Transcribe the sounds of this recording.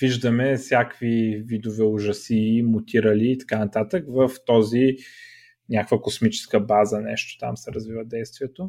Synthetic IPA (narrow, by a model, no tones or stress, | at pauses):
viʒd̪əmɛfsʲakvivid̪ovɛʊʒɐsimʊt̪iɾəliːt̪ɐ̥kanɐt̪at̪əkvəft̪ɔzi | nʲakkvəkosmit͡ʃɛ̥skəbazənɛʃt̪o̥t̪a̰msɛɾəzvivəd̪ɛjst̪vʲiɛt̪o